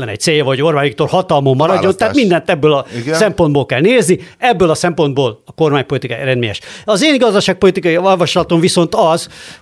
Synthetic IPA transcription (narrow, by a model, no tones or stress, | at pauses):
lɛnɛ̰c̚t̪seːjɒvɒoɟorbaːjikt̪orhɒt̪ɒlmomːɒɾɒɟːo̞nt̪aːt̪mind̪ɛnt̪ɛbːøːlɒssɛmpond̪̚boːlkɛlneːzniɛbːøːlɒsɛmpo̞nd̪boːlɒko̞rmaːɲpo̞lit̪ika̰ɾɛnd̪mḛːjɛ̰ʃɒzeːnɡɒzd̪ɒʃaːk̚po̞lit̪ikɒjiolvɒʃlɒt̪o̞ɱviso̞nt̪ɒz